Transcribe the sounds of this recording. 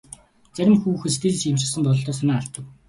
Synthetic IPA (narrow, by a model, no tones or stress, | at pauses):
t͡sæɾʲɪ̆mxuːxɘ̆st̪ʰeːɮɘ̆t͡ɕɪmt͡ɕ̆sə̆np̪ɔɮɞ̆ɮt̪ɔːs̬anæːaɬt̪ə̆w